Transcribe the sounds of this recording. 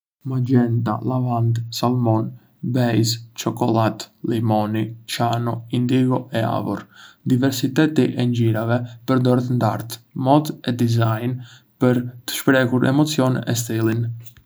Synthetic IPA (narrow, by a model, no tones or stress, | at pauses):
mad͡ʒɛnd̪a̰lavand̪salˠmɔn | bɛjst͡ʃɔkɔlˠat̪limɔnit͡ʃanɔind̪iɡɔʔɛa̰vɔ̰ɾd̪ivɛɾsit̪ɛt̪iʔɛɲd͡ʒiɾavɛpəɾd̪ɔɾɛt̪ənd̪a̰ɾt̪mɔt̪ɛd̪izajn | pəɾt̪ə̥ʃpɾɛkuɾɛ̰mɔt͡siɔnɛ̰st̪ilˠin